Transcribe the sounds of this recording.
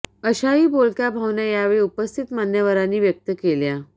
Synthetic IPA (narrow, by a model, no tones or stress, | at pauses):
əɕaɦiːbolkjabʱaʋnjajaʋeɭiːupəst̪ʰit̪manjəʋəɾanːiːʋjək̚t̪əkelja